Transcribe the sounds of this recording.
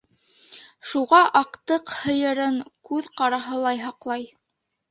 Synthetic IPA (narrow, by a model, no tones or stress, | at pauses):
ʃuʁɑʔɑqt̪ɤqhɤ̆jɤ̆ɾɤŋkʉðqɑɾɑɦɤlˠɑjɦɑqlˠɑj